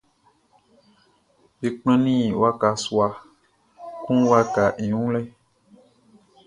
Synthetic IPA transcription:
bi˨k͡pɛ̃˦nĩ˦˨wa˦ka˨swa˧ | kũ˦wa˦ka˨ʔĩ˨ũ˦lɛ˦

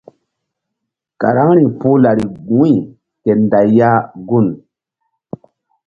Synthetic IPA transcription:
ka̰˨ɾa˦ŋɾi˨pu˦la˨ɾi˨ɡũ˨˦i˨ | ke˨nda˨jːa˦ɡu˦˨n

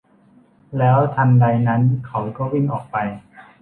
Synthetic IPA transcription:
lɛː˦˥wt̪ʰa˧mda˧jna˦˥nkʰa˨˦wkɔː˥˩wi˥˩ŋʔɔː˨˩k̚pa˧j

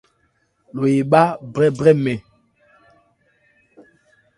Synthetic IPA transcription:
lo˨je˨ɓa˦bɾɛ˦bʁɛ˦mɛ˨

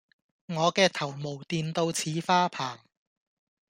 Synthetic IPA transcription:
ŋɔː˨˧kɛː˧t̪ʰɐ˨˩wmo˨˩wt̪iː˧nt̪o˧wt͡sʰiː˨˥faː˥pʰaː˨˩ŋ

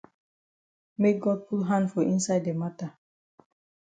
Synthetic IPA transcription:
me˦k̚ɡɔ˦d̚pu˦lɦã˦ndfɔ˨ʔĩ˦nsa˦ɪde˨ma˦ta˨

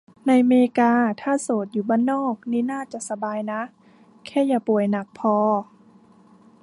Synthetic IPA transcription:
na˧˨jmeː˧kaː˧t̪ʰaː˧˥˨soː˨˩˦t̪̚juː˨˩baː˧˥˨nːɔː˥˩˨k̚niː˧˥˨naː˥˩t͡ɕa˨˩˨sa˧baː˧jna˦˥ | kʰɛː˧˥˩jaː˧˩pu˨˩əjna˨˩k̚pʰɔː˧

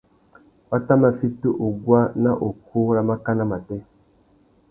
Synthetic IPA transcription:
wa˦ta˦ma˨fi˦tu˦ʔo˨ɡwa˦na˦ʔo˨ku˦ɾa˨ma˦ka˦na˦ma˨tɛ˦

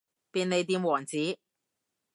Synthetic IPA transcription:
piː˧ne˨˧jt̪̬iː˧mwɔː˨˩ŋt͡siː˨˥

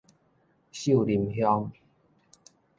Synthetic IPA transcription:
ɕu˥˨li˨˩mɦjɔ˦ŋ

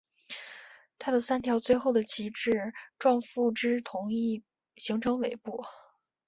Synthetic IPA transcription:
t̪ʰa˥d̪ə˨sa˥nt̪ʰjɑ˧˥ʊt͡swe˥˧ɪxo˥˩ʊd̪ə˩t͡ɕʰi˧˥ʈ͡ʂɻ̩˥˩ʈ͡ʂwɑ˥˧ŋfu˥˩ʈ͡ʂɻ̩˥t̪ʰʊ˧˥ŋi˥˩ | ɕi˧˥ŋʈ͡ʂʰɤ˧˥ŋwe˨˩ɪpu˥˩

